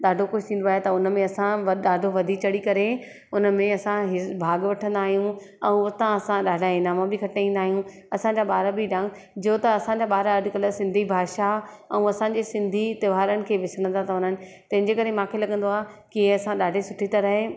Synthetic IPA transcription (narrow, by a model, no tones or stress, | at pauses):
ɗaːɖʱokoːt̪ʰĩːn̆d̪oaːɦet̪ɐʊnə̆mẽɐsãʋɗaːɖʱoʋɐd̪ʱit͡ɕɐɽikɐɾe | ʊnəmẽɐsãɦɪbʱaːɡʋɐʈʰə̃nd̪aːɦijũ | ɛ̃ũɐt̪ãɐsãɗaːɖʱaɪnaːmãbɪkʰɐʈeĩːnd̪aːɦijũ | ɐsãɲd͡ʑaːɓaːɾabiɗãːŋɡ | d͡ʑoːt̪ɐɐsãɲd͡ʑaːɓaːɾaɐɖkəlsɪ̃nd̪ʱibʱaːʃaɛ̃ũɐsãɲd͡ʑeːsɪ̃nd̪ʱit̪ɐʋaːɾənɪ̆kʰeːʋɪsəɽ̃nt̪ʰat̪ɐɦʊn̤ənɪ̆ | t̪ɐ̃ɦɪ̃ɲd͡ʑekɐɾemãːkʰelɐɠə̃nd̪oaːkiɐsãɗaːɖʱesʊʈʰit̪ɐɾəɦe